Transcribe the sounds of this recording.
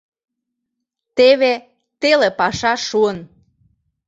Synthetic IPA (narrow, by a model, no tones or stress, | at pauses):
t̪eβe | t̪elepɑʃɑʃuən